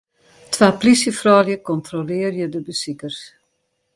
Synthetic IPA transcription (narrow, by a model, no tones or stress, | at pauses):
tʰʋaːplisjəfrɔːljəkɔntrolɪərjədəbəsikərs